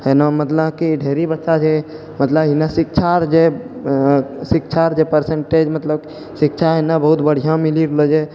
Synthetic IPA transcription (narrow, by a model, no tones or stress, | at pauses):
ɦenamət̪lakiɖʱeɾibəʃat͡ʃʰe | mət̪ləbɦinasik̚t͡ʃʰaɾd͡ʒe | sikt͡ʃʰaɾd͡ʒepəɾsẽɳʈed͡ʒmət̪ləb | sikt͡ʃʰaɦenabəɦut̪bəɽ̤ijãmiliɾələd͡ʒe